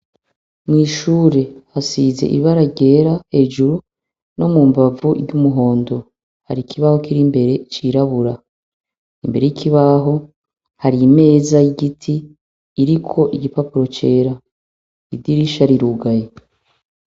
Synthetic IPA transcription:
mŋiːʃuːɾe̞hasiːzḛʔḭβaɾaɟe̞ːɾahe̞ːʒuɾu | no̞mumbavuʔiɟumuɦo̞ːndo̞ | ha̰ɾikʰiβaho̞kiɾimbe̞ɾe̞t͡ʃiɾaβuɾa | imbe̞ɾe̞jikʰiβaɦo̞ | haɾime̞ːzaiɡitʰiː | ɾikʰo̞ʔiɡipapuɾo̞t͡ʃe̞ːɾa | idiɾiʃaɾiɾuɡaje

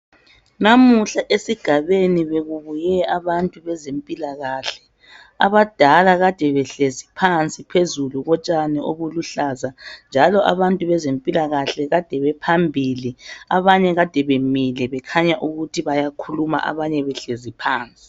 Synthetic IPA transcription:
namuɬaʔesiɡ̥ʱaβeniβeɣuβujɛaβantʼuβɛzempʼilaɣaːɬɛ̥ | aβad̥ʱalaɣad̥ʱɛβɛɬezipʰant͡sʼipʰezuluɣɔt͡ʃʼanɛʔoβuluɬazand͡ʒʱalɔʔa̰βantʼuβɛzempʼilaɣaɬɛɣad̥ʱɛβɛpʰambʱiliaβaɲɛɣad̥ʱɛβemilɛβɛkʰaɲaʔuɣutʰiβajakʰuluma̰ʔa̰βaɲɛβɛɬezipʰaːnt͡sʼi̥

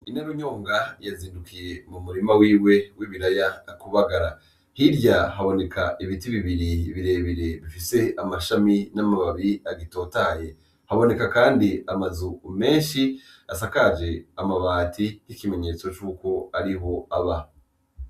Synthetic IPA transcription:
inaɾuɲoːŋɡajaziːndukije̞mumuɾimawiːwe̞wiβiɾajaːkuβaɡaɾa | hiɾɟaɦaβo̞ne̞kʰaiβitiβiβiɾiβiɾe̞βiɾeβifise̞amaʃaminamaβaβiaɡito̞ːtaje̞ | haβo̞ne̞kakaːndiamazume̞ːnʃi | asakad͡ʒe̞amaβaːtʰijikime̞ɲe̞t͡so̞t͡ʃuːko̞aɾiɦo̞aβa

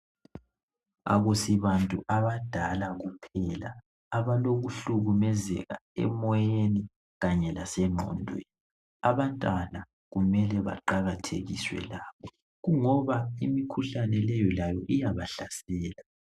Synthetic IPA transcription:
a̰ɣusiβantʼuʔaβad̥ʱalaɣupʰɛla̰ː | βaloɣuɬuɣumɛzɛ̰ɣa̰ɛ̰mɔjeni | ɣaɲɛlasɛŋ͡ǃʱɔ̰ːndʱwɛ̰ | aβantʼala | ɣumɛlɛβa̰ǃaɣatʰḛɣiswɛ̰laːβɔ | ɣuŋɔβaimikʰuɬanɛlɛjɔlajɔʔijaβaɬasɛːla

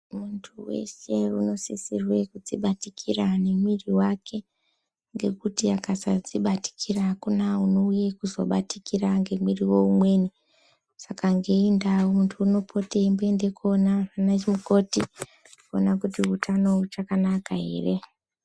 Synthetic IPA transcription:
muntʰuwe̞̰se̞uno̞sisirwe̞kud͡ziɓatikʰirane̞mwiriwakʰe̞ | ŋɡe̞kutiakasad͡ziɓati̥kʰirakunauno̞ujekuzo̰ɓatikiraŋɡe̞mwiriwo̞umwe̞ːni | sakaŋɡe̞indawomuntʰuːno̞pʰo̞te̞mbe̞nde̞ko̞naranat͡ʃimuko̞ti | konakutiutʰano̞ut͡ʃakanakaɦe̞̰ːre̞

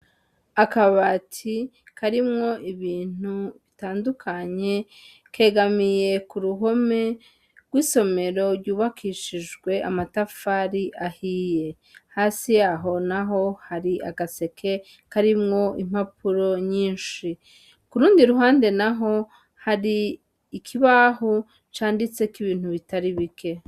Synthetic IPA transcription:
akaβatʰi | kʰaɾimŋo̞ʔiβiːn̥uβitaːndukʰaɲe̞ | ke̞ːɡamije̞kuɾuɦo̞me̞ | ɡwiːso̞me̞ɾo̞ɾɟuːβakʰiʃiʒɡwe̞ʔa̰matafaɾiʔahiːje̞ | haːsijaɦo̞naɦo̞haɾiʔa̰ɡase̞kʰe̞ | kaɾimŋo̞im̥hapʰuɾo̞ɲiːnʃi | kuɾuːndiɾuɦaːnde̞naɦo̞ | haɾiː | kʰiβahu | t͡ʃaːndit͡se̞kiβiːn̥huβitaɾiβikʰe̞

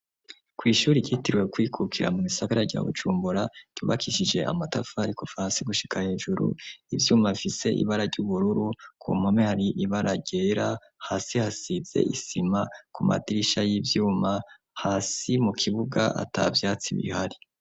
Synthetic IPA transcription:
kwiːʃuːɾiɟitiɾwekwiːkʰukʰiɾa̰mumisaɡaɾaɾɟa̰βṵd͡ʒuːmbuɾaɟ̥uːβa̰kʰiʃid͡ʒe̞ʔa̰matafaaɾikofaɾansiɡuʃi̥kʰahe̞ːʒuɾṵivjuːmaβifise̞ʔḭβaɾaɟuβuɾuɾukʰṵmamehaɾiʔiβaɾaɟe̞ɾa | haːsihasiz̥e̞̰ʔisimakumʔa̰tiɾiʃajivjuːma | haːsimukʰiβuɡa̰ʔa̰ta̰vjaːt͡siβḭhaɾi

